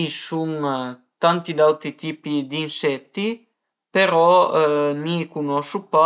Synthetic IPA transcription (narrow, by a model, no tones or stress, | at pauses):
suŋ | t̪ant̪id̪awt̪ɾit̪iːpid̪insɛt̪ːi | peɾɔ | mikunɔsupa